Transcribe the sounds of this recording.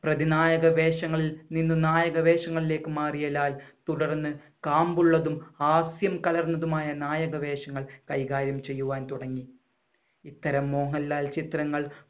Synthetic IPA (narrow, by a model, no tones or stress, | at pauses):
prɐðinaːjɐɣɐʋe̞ːʂɐŋːɐɭilninːunaːjɐɣɐʋe̞ːʂɐŋːɐɭile̞ːkːɨmaːrijɐlaːlt̪uɽɐrnːɨ | kaːmbuɭːɐðumaːsjɐmkɐlɐrnɐðumaːjɐnaːjɐɣɐʋe̞ːʂɐŋːɐɭkɐjkaːɾjɐmt͡ɕe̞jːuʋaːnt̪uɽɐŋːi | it̪ːɐɾɐmːo̞ːŋɐlːaːlt͡ɕit̪rɐŋːɐɭ